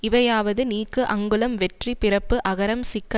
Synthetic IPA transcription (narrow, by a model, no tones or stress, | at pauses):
ɪʋɐjaːʋɐðɯniːkːɯʔɐŋɡɯlɐmʋɛʈripɪrɐpːɯʔɐɣɐɾɐmsɪkːɐ